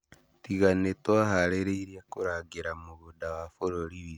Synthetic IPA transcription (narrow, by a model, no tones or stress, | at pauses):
tiɣanetwaɦaɾeɾeiɾiakuɾaɡiɾamuβudawafoɾoɾiβi